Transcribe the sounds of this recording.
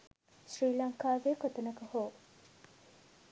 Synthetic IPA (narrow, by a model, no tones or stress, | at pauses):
sriːlɐŋkaːʋekot̪ɐnɐkɐhoː